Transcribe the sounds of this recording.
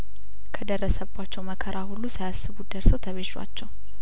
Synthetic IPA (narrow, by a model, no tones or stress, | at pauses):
kʰəd̪əɾːəsəβat͡ʃːɛwməkʰəɾʔahulːusajasːɨβud̪əɾsəwt̪ʰəβeʃa̰t͡ʃːɛw